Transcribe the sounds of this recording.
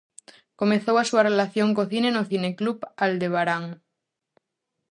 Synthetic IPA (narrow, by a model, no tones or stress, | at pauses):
komeθowasuarelaθjoŋkoθinenoθineklupald̪eβ̞aɾaŋ